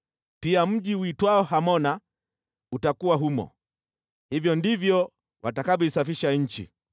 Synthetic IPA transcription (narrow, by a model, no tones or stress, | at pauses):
piam̩ʄiwitwaɔɦamɔna | utakuwaɦumɔ̰ | hivjɔndivjɔ | watakaɓisafiʃaɲ̩t͡ʃḭ